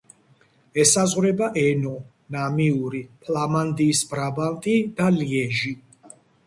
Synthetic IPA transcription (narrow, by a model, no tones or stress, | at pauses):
ɛsazʁwɾɛbaʔɛnɔ | namiuɾipʰlamand̪iːsbɾabant̪ʼid̪̥aliɛʒi